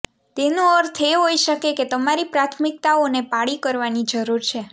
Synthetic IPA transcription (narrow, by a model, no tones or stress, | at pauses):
t̪enũəɾt̪ʰeɦojʃəkeket̪əmaɾipɾat̪ʰmɪk̚t̪aonepaɭikəɾʋanid͡ʒəɾuɾt͡ʃʰe